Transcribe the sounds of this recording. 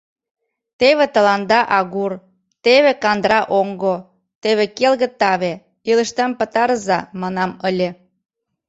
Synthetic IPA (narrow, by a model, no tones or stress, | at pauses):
t̪eβet̪ə̆lɑnd̪ɑʔɑɣur | t̪eβekɑnd̪ɾɑʔoŋɡo | t̪eβekelɣə̆t̪ɑβe | ilə̆ʃt̪əmpə̆t̪ɑɾəzɑmɑnɑməlʲe